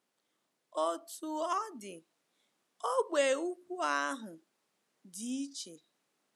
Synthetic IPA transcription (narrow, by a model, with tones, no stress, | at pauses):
o˨tu˨ɔ˦dɪ˨ | o˦ɡ͡be˨u˦kʷu˦a˦ɦʊ˨ | dɪ˦i˦t͡ʃe˨